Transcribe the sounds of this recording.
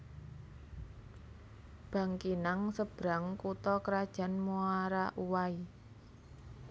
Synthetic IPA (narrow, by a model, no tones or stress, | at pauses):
b̥ä̤ŋkinaŋsəb̥ɾaŋkut̪ɔkəɾad̥ʒ̥a̤nmuaɾaʔuwai